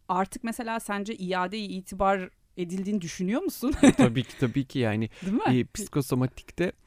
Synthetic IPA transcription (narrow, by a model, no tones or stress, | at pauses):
aɾt̪ʰɯk̚mese̞lʲaːsænd͡ʒɛʔijaːd̪ejiiːt̪ʰibaɾ | e̞d̪ilʲd̪iːnid̪yʃynyjo̞musunt̪ʰabiːcʰi̥t̪ʰabiːcʰijaːnɪd̪impʰi̥skʰo̞somat̪ʰi̥ct̪ɛ